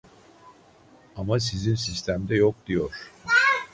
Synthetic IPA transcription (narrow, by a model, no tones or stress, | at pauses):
amasizinsist̪ʰæmd̪ɛjok̚d̪ijo̞ɾ̥